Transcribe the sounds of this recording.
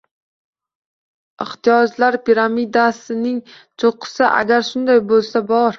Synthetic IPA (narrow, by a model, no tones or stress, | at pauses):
ɪht̪ʰijɒd͡ʒlaɾpʰiɾamid̪asɪnɪŋ | t͡ʃʰoqʰɨ̥saʔa̰ɡʲaɾʃʊnd̪ajbolˠsabɒɾ